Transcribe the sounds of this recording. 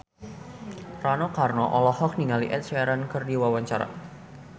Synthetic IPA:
ranokarnɔʔɔlɔhɔk̚niŋaliʔɛ̰t̪̚saɾankɨrdiwawaɲt͡ʃaɾa̰

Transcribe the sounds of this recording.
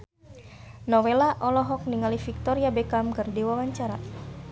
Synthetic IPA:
nɔwelaʔɔlɔɦɔk̚niŋalifik̚t̪ɔɾiabekamkɨrdewawaɲt͡ʃaɾa

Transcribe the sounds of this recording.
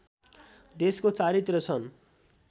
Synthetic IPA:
d̪eskot͡saɾit̪rʌt͡sʰʌn

